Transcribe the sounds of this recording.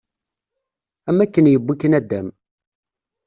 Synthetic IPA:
æmːækːənjəbːikːənæd̪ːæm

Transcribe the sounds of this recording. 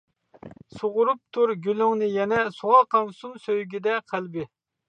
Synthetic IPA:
soʁʊɾup̚t̪ʰuɾɡʲylyŋnɪjɛnɛsuʁɑqɑŋsumsøjɡʲid̪ɛqʰælbɪ

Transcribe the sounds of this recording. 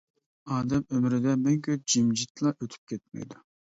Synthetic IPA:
ɑːd̪ɛmømɾɪd̪ɛmɛŋkʲʰøp̚d͡ʒimd͡ʒit̪lˠɑʔøt̪ʰy̥p̚kʲʰɛt̪̚mɛ̰jd̪u

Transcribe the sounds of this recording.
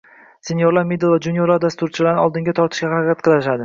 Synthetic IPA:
senjoɾlaɾmed̪elˠvad͡ʒʊnjoɾaɾd̪ast̪ʊɾt͡ʃʰɪlaɾnɪɒlˠd̪ɪŋɡʲat̪ʰɒɾt̪ʰɪʃkʲahaɾaqʰʲat̪̚qʰɨlˠɪʃad̪ɪ

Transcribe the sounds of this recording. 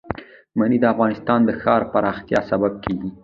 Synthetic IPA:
manid̪əafɣɑnɪst̪ɑnd̪əxɑɾpaɾɑxt̪jɑsabab̚kʰeɡi

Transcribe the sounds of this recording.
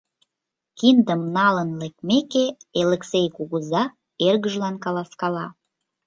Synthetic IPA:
kind̪əmnɑlənlek̚mekeeleksejkuɣəzɑ | erɣəʒlɑnkɑlɑskɑlɑ

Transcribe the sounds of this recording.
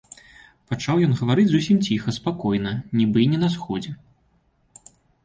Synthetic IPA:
pat͡ʂawjɔnɣɐvaɾɨd͡zʲzusʲimt͡sʲixɐspakɔjnɐnʲibɨnʲɛnɐsxɔd͡zʲɛ

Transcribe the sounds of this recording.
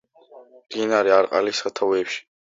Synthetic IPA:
md̪̥inaɾiaɾqʼa̰lisat̪ʰavɛːpʃi̥

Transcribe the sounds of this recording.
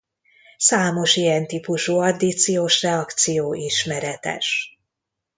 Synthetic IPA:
saːmo̞ʃijɛnt̪ipuʃuɒd̪it̪sijoːʃrɛɒkt̪sijoːʔiʃmɛɾɛt̪ɛ̰ʃ

